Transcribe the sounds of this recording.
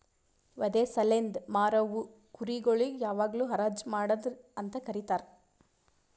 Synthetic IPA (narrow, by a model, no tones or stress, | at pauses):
ʋɐd̪eːsɐlend̪maːɾɐʋu | kuɾiɡoɭijaːʋaːɡluːɦɐɾaːd͡ʒmaːɽɐd̪ɐnt̪ɐkɐɾit̪aːɾ